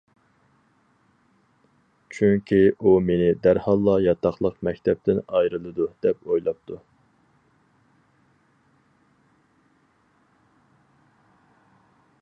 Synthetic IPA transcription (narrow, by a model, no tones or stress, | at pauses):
t͡ʃʰyŋkʲʰiʔumenɪd̪æɾhɑlˠːɑjɑt̪ʰɑqlˠəqmɛkʲt̪ʰɛp̚t̪ɪnɑjɾɨlˠɨd̪ud̪̥ɛpojlˠɑp̚t̪ʰu